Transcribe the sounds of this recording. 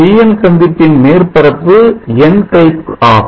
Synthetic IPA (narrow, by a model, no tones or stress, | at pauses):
iːjɐnsɐnd̪ɪʈːɪnmeːrpɐɾɐpːɯɛnʈɐɪpaː